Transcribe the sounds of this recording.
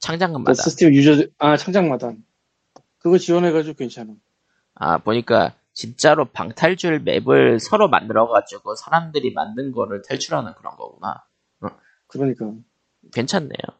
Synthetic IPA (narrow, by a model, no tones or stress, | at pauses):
t͡ɕʰaŋd͡ʑaŋɯnmaaaɯsʰɯ̥tʰemjud͡ʑʌdat͡ɕʰaŋd͡ʑaŋmadan | kɯɡʌt͡ɕiwʌneɡad͡ʑiɡokwent͡ɕʰana | a̰poɲik͈a̰ | t͡ɕint͡ɕ͈aɾopa̰ŋtʰaɭd͡ʑuɭme̞̰bɯɭsʰʌɾoma̰ndɯɾʌɡad͡ʑuɡosʰaɾamdɯɾima̰ndɯnɡʌɾɯɭtʰeɭt͡ɕʰuɾɦanɯnkɯɾʌnɡʌ̰ɡuna̰ | k | kɯɾʌɲik͈a | kwe̞nt͡ɕʰanːe̞̰jo̰